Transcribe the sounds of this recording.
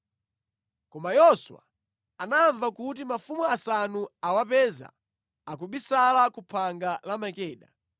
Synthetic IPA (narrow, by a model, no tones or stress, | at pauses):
kɔmajɔswa̰ | anaɱvakut̬imafumuasanuawapɛza̰ | akuɓisalakupʰaŋɡalamakɛːɗa